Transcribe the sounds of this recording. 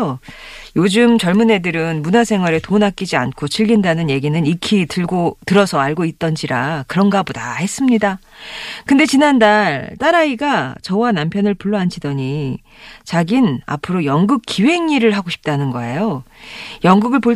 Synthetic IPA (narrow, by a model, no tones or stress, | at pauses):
ojod͡ʑɯmt͡ɕʌɭmune̞dɯɾɯnmunasʰe̞ŋwaɾetonak͈id͡ʑiankʰot͡ɕʰiɭɡindanɯnje̞ɡinɯnikʰitɯɭɡotɯɾʌsʰʌaɭɡoit̚t͈ʌnd͡ʑiɾakɯɾʌnɡabodahe̞s͈ɯmɲida | kɯnde̞t͡ɕinandaɭt͈aɾaiɡat͡ɕʌwanampʰjʌnɯɭpuɭːoant͡ɕʰidʌɲi | t͡ɕaɡina̰pʰɯɾojʌŋɡɯk̚k͈iwe̞ŋiɾɯɭɦaɡoɕʰi̥p̚t͈anɯnɡʌe̞jo | jʌŋɡuɡɯɭpo